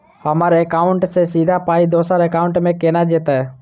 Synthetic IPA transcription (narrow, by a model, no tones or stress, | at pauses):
həmaɾekaːʊɳʈsesid̪ʱapaːid̪oːsəɾekaːʊ̃ɳʈmẽkeːnad͡ʒeːt̪aɦɛ